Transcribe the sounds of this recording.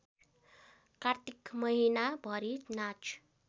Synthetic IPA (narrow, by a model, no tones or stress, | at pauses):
kart̪ikmʌɦinabʱʌɾinat͡ʃʰ